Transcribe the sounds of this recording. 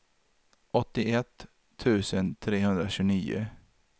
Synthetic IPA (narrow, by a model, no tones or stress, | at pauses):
ʔɔt̪ːɪɛt̪ʰː | ʉ̟ːsənt̪ʰɾeːhɵnd̪ɾaɕʉːniːʊ̰